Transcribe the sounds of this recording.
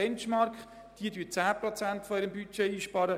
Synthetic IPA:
ɛnt͡ʃmɑɾkχ | d̥iədyːt͡sæːpɾɔt͡sæntfɔiɾəmbyt͡ʃeiːʃpɑːɾə

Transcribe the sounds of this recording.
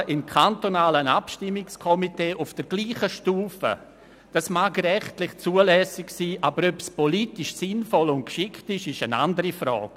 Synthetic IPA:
ʔɪmkʰantonaːlənapʃtɪmːɪkskʰɔmiteːʔufd̥əɾɡ̥liːχəʃtuːfə̰ | d̥asmaːkrɛχtlɪχt͡suːəlɛsɪksiːʔabəɾøpspoliːtɪʃsɪnfɔlʊnt̚kʃɪktɪʃɪʃəna̰ndəɾifɾɔ̰ːk

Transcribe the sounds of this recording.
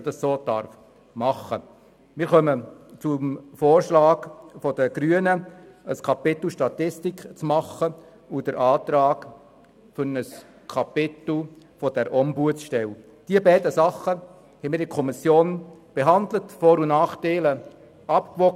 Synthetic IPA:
d̥ɑssoːd̥ɑ̰ɾf | mɑχə | mɪːɾχœmət͡sumfoːɾʃlɑːɡfɔd̥əɡ̥ɾyənəəskʰɑpɪt̪l̩ʃtɑt̪ɪstɪkt͡smɑχə | ud̥əɾʔɑːtɾɑːɡ | fʏɾnəs | kʰɑpɪt̪l̩ | fɔd̥ɛɾʔɔmbuət͡sʃtɛl | d̥iːəbɛɪdəsɑχːə | hɛmɪːɾɪkʰɔmɪsjoːnb̥eɦɑnd̪lətfoːɾunɑːχteɪlə | ɑpkʋɔ

